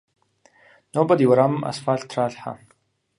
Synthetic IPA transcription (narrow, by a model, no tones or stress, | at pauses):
nobɐdiwɐɾammʔa̰sfaːɮtʰraːɬħa̰